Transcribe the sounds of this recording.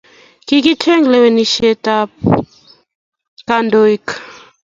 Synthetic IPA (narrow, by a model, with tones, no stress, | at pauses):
ki˦ki˦tʰɛ˦ŋɡlɛ˦wɛ˨ni˨ʃɛ˦ta˦p | kando˦ik